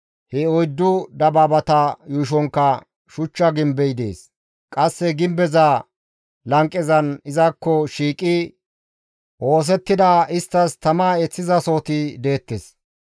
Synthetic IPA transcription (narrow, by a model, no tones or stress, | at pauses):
hɛɔjd̪ːʊd̪ɐbaːbɐt̪ɐjuʃ̬ɔŋkːɐ | ʃʊt͡ʃːɐɡɪmbɛjɪd̪e̞̰ːs | kʼɐsːɛɡɪmbɛza | lɐŋkʼːɛzɐnɪzɐkːɔʃiːkʼɪ | ʔo̞ːs̬ɛt̪ːɪd̪ɐɪst̪ːɐst̪ɐmaːɛt͡sːɪzɐso̞ːt̪ɪd̪e̞ːt̪ːes